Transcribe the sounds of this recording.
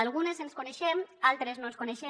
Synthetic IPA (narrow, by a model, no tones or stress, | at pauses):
lˠɣunezenskuneʃɛmalˠt̪ɾeznonskuneʃe